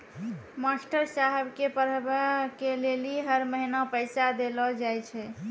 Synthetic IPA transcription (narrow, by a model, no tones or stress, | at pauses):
masʈəɾsaɦɛbkepəɾbəkeleliɦəɾməɦinapəɪsad̪elɔd͡ʒajt͡ʃʰɛ